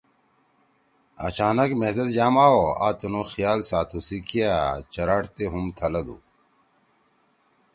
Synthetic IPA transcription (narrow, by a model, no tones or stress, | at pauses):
ɐ̰t͡ɕaːnɐkmezɐd̪d͡ʑaːmaːoa̰ːt̪unoxijaːlsaːt̪ʰusikʰijat͡ɕɐɾaːʈt̪eɦumt̪ʰɐlɐd̪ṵ